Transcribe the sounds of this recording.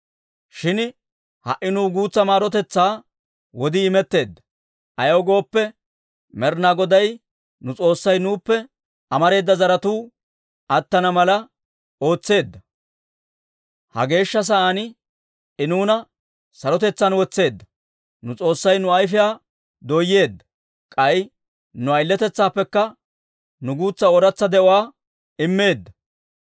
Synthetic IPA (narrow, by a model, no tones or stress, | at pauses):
ʃɪn | hɐ̰ʔɪnuːɡuːt͡sːɐmaːɾɔt̪ɛt͡sːaː | wɔd̪ɪːmɛt̪ːe̞ːd̪ːɐ̥ | ʔɐjɐwɡo̞ːpːɛ | mɛɾnaːɡɔd̪ɐj | nʊt͡sʼo̞ːsːɐjnuːpːɛ | ɐmɐɾe̞ːd̪ːɐzɐɾɐt̪uː | ɐt̪ːɐnɐmɐlɐ | o̞ːt͡sːe̞ːd̪ːɐ | hɐ̰ɡe̞ːʃːɐs̬ɐanɪ | ɪnuːnɐ | sɐɾɔt̪ɛt͡sːɐnwɔt͡sːe̞ːd̪ːɐ | nʊt͡sʼo̞ːsːɐjnʊɐjf̬ɪjaː | d̪ɔjːe̞ːd̪ːɐ̥ | kʼɐj | nʊɐjɪlːɛt̪ɛt͡sːaːpːɛkːɐ | nʊɡuːt͡sːɐɔɾɐt͡sːɐd̪ɛʔɔwaː | ɪmːe̞ːd̪ːɐ